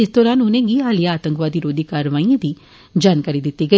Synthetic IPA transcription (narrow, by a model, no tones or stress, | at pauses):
ɪst̪ɔːɾaːnʊnẽːɡiaːlijaːt̪ə̃ŋkʋaːd̪iɾoːd̪ikaːɾʋaːĩãd̪iː | d͡ʒaːnkaːɾid̪ɪt̪ːiɡɐ